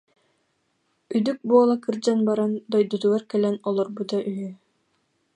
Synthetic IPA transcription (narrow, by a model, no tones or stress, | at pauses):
yjd̪yk̚buːlˠakʰɯɾd͡ʑanbaɾand̪ɔjd̪ud̪uaɾkɛlɛnɔlˠɔɾbud̪ɑʔyjy